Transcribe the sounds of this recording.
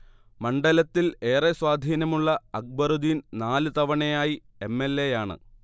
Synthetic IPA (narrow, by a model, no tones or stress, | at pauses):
mɐɳɖɐlɐt̪ːile̞ːreswaːd̪ʱiːnɐmuɭːɐɐk̚bɐrud̪iːnnaːlɨt̪ɐʋɐɳejaːji | e̞mːelːejaːɳɨ̰